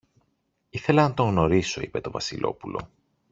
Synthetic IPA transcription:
iθe̞lɐnɐt̪o̞ŋɣno̞ɾiso̞ipe̞t̪o̞vɐsilʔo̞̰pulʔo̞̰

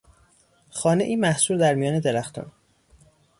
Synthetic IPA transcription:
xɒːneʔiːmæhsuːɾd̪æɾmijɒːne̞d̪eɾæxt̪ʰṵn

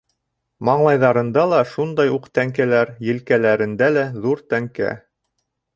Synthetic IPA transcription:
mɑɴlˠɑjðɑɾɤ̆nd̪ɑlˠɑʃund̪ɑjuqt̪æŋkælæɾjɘ̆lkælæɾɘ̆nd̪ælæðuɾt̪æŋkæ̰

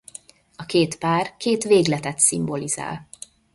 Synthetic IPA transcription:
ɒkeːt̪paːrkeːt̪ʋeːɡlɛt̪ɛt̪simbo̞liza̰ːl

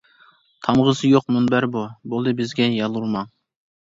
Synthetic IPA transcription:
t̪ʰɑmʁəzɨjoq̚munbæɾbubolˠd̪ɨbɪzɡʲɛjɑlˠuɾmɑŋ

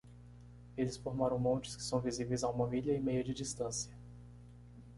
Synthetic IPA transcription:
elɪsfoɾmaɾɐ̃w̃mõt͡ʃɪ̥skɪ̥sɐ̃w̃vizivejzaũmɐviʎɐɪmejɐd͡ʒɪd͡ʒist̪ɐ̃sjɐ

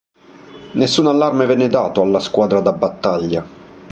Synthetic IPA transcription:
nesːuːnalːarmevɛnːed̪aːt̪oalːaskwaːd̪ɾad̪abːat̪ːaʎːa

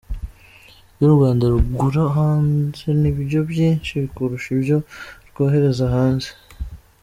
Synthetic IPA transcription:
joɾuɡaːndaɾuɡuɾaɦaːnze̞niβiɾjo̞bjiːnʃiβikuɾuʃibjo̞ɾkoːɦe̞ɾe̞zaɦaːnze

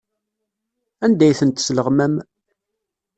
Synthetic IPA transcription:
ænd̪æjθənt̪sləʁmæm

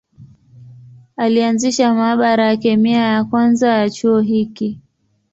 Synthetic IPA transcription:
alianziʃamaːɓaɾajakɛmiajakwanzajat͡ʃuɔɦiki

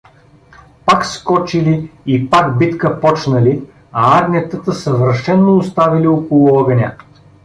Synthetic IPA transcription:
pakskɔt͡ʃiliipaɡbit̪kəpɔt͡ʃnəli | ɐaɡnʲət̪ət̪əsɐvəɾʃɛnːoʊst̪aviliɔkolˠʊɔɡənʲə

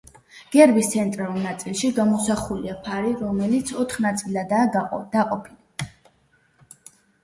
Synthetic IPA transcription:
ɡ̥ɛɾbist̪sʰɛnt̪ʼɾalulˠnat̪sʼilˠʃiɡamɔsaχuliapʰaɾiɾɔmɛlit̪sʰɔt̪ʰχnat̪sʼilad̪ad̪̥aqʼɔpʰili

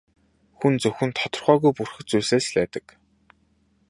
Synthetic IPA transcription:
xunt͡sɵxɵ̆nt̪ʰɔt̪ɞ̆rχœːɣujpurxɘ̆t͡sujseːsɮæːt̪ə̆k

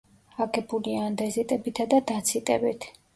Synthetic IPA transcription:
aɡɛbuliand̪ɛzit̪ʼɛbit̪ʰad̪ad̪at̪sʰit̪ʼɛbit̪ʰ

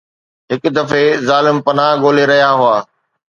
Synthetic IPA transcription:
ɦɪkʊd̪ɐfezaːlɪmpɐnaɦɡoːleɾɐɦijaɦʊaː

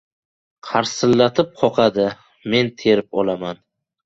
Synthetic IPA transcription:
qʰaɾsɪlːat̪ʰɪp̚qʰɒqʰɑd̪ɪ | me̞nt̪ʰe̞ɾɪpɒlaman

